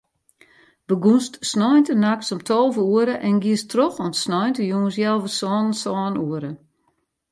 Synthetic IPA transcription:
bəɡunstsnɔjntənak̚sɔmtʰɔlˠvəuəɾəʔɛnɡiəstroxɔmsnɔjntəjuːns̬jɛlˠvəsɔːnəsɔːnuəɾə

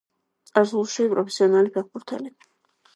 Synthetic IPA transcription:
aɾzulˠʃiipʼɾɔpʰɛ̥siɔnalipʰɛχ̚buɾt̪ʰɛ̰li

